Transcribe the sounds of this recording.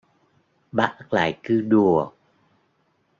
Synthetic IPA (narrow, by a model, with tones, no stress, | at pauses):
ɓaː˦˥˦k̚la̰ː˧˨jkɨ˧ɗu˨˩ək̚